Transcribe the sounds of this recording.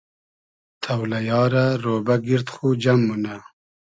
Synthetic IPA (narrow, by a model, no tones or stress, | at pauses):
t̪ʰawlajɑːɾaɾoːbaɡiɾt̪xud͡ʒamːuna